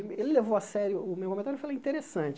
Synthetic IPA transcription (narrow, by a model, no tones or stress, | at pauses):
elɪlevowɐsɛɾjʊʊmewkomẽt̪aɾuefaleĩt̪eɾesɐ̃t͡ʃ